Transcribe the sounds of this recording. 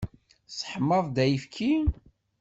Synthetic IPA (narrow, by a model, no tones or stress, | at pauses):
sħmːəðˤd̪æjifkʰi